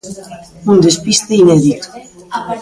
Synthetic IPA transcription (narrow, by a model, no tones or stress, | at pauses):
und̪espist̪einɛðit̪u̥